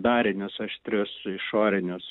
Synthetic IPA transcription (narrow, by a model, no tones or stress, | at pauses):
d̪ɑːɾʲɪnʲʊsɐʃt̪ʲɾʲʊsɪʃoːɾʲɪnʲʊs